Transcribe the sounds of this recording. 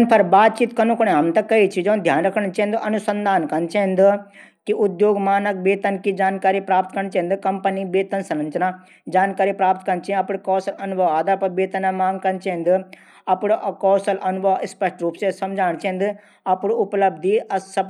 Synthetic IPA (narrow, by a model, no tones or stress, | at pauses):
npʰɐɾbaːt̪̚t͡ʃiːt̪kɐnũkonẽɦɐmt̪ɐkɐit͡ʃʰid͡ʒõːnd̪ʱjaːnɾɐkʰəɽ̃t͡ʃɐ̃nd̪ɨɐnusə̃nd̪ʱaːnkɐnt͡ʃẽnd̪ | kiʊd̪joːɡmaːnɐk̚beːt̪ɐnkid͡ʒaːnkaːɾipɾaːpt̪kɐɾɳ̃t͡ʃẽnd̪ɨkɐmpənibeːt̪ɐnsɐnɐ̃nt͡ʃna | d͡ʒaːnkaːɾipɾaːp̚t̪kɐɾnt͡ʃẽɐpɽkɔːsɐlɐnubʱɐʋaːd̪apɐbeːt̪ɐnamãːŋɡkɐnt͡ʃẽnd̪ɨ | ɐpɽkɔːsɐlʔɐnʊbʱɐʋɪspɐʃʈɾuːpsesɐmd͡ʒʱaːɽ̃t͡ʃẽnd̪ɨ | ɐpɽʊpləbd̪iɐsɐp